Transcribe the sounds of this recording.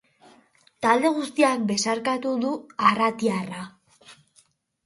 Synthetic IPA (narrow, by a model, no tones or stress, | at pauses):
t̪ald̪e̞ɣ̞ust̪iambe̞saɾkat̪uðuarat̪iara